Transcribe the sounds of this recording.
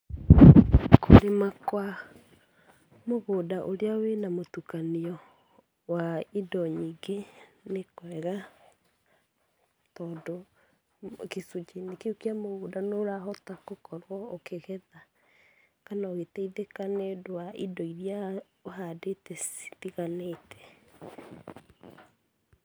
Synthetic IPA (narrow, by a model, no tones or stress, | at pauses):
kʰoɾemakwa | moɣoːdaʔoɾeawenamotukaniɔ | waidɔɲiɡenekwɛɣa | tɔːdo | kesud͡ʒinikeukiamoɣoːdanoɾaɦɔtakokɔɾwɔokʰeɣɛða | kanaoɣetɛiðekanedowaʔidɔiɾja | oɦadetɛsi̥tiɣaneːtʰɛ̥